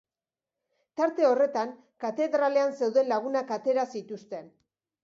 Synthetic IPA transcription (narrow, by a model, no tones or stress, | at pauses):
t̪aɾt̪e̞o̞re̞t̪aŋ | kat̪e̞ðɾale̞anse̞wðe̞nlaɣ̞unakat̪e̞ɾasit̪ust̪e̞n